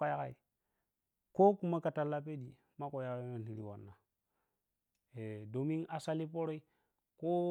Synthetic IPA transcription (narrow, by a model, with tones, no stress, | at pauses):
a˦ja˦ka̰˨i˨ | ko˦ku˨ma˦ka˨ta˨lːa˦p̬e˦di˨ | ma˦ko˨ja˨ka˦me˨n˨i˨˦ɾi˦wa̰˨nːa˨ | e˨do˨mi˦ŋa˨sa˦li˦po˦ɾo˦i˦ | ko˦